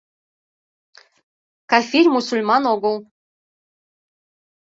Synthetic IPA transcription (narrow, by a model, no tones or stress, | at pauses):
kafiɾʲmusulʲmɑnoɡɤlˠ